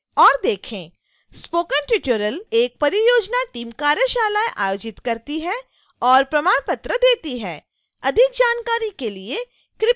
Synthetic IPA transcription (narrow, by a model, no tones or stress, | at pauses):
ɔːɾd̪eːkʰẽ | spoːkənʈɾɪʈuɾəleːk̚pɐɾijoːd͡ʒnaʈiːmkaːɾjəʃaːlaːjʔa̰ːjoːd͡ʒɪt̪kɐɾt̪iɦɛ | ɔːɾpɾɐmaːɽ̃pɐt̪ɾəd̪eːt̪iɦɛː | ɐd̪ʱɪk̚d͡ʒaːnkaːɾikelie | kɾɪ